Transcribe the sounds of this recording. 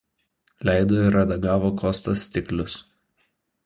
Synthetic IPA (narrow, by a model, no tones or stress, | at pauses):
lʲæɪd̪oːɪɾɐd̪ɐɡɑːʋoːkɔst̪ɐsʲt̪ʲɪklʲʊs